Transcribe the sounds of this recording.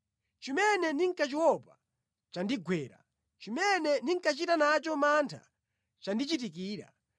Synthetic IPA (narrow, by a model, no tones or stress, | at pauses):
t͡ʃimɛnɛniŋkat͡ʃiwɔpa | t͡ʃandiɡwɛːɾa̰ | t͡ʃimɛnɛniŋkat͡ʃitanat͡ʃɔmantʰa̰ | t͡ʃandit͡ʃit̬ik̬iːɾa̰